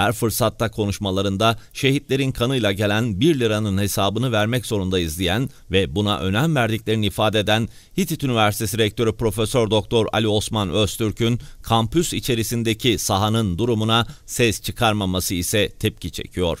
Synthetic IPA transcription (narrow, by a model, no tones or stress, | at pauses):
hæɾfɯɾsat̪ːakʰo̞nuʃmalˠaɾɯnd̪aʃe̞ɦit̪lʲe̞ɾinkʰanɯjlˠaɟe̞lʲænbiɾlʲɯɾanɯnhe̞saːbɯnɯvæɾmɛcz̥o̞ɾund̪aizlʲijæn | vɛbuna̰ʔø̞̰næmvæɾd̪iclʲeɾiniifaːd̪ed̪æn | hit̪ʰit̪ynivæɾsi̥t̪ʰe̞s̬iɾɛc̚t̪ʰo̞ɾypɾo̞fesøɾd̪o̞k̚t̪ʰo̞ɾa̰lʲio̞smanøst̪ʰyɾcʰynkʰampysit͡ʃʰe̞ɾisind̪e̞cʰisaɦanɯnd̪uɾumunasɛst͡ʃʰɯkʰaɾmamasɯisɛt̪ʰɛp̚cit͡ʃʰe̞̰cʰijo̞̰ɾ̝̥